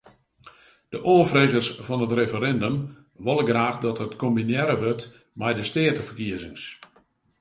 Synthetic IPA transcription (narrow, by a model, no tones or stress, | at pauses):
d̥əʔoːfreːɣərsfɔnətrefəɾɛndəm | ʋɔlˠəɡraːxdɔtɦətkombinjɛɾəʋørt | mɛjdəstɪətəfərkiəzɪŋs